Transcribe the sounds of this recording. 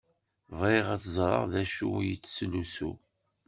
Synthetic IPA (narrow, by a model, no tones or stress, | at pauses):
vʁeʁæt͡szˤɾˤɑ̰ʁðæʃujit͡sːslusṵ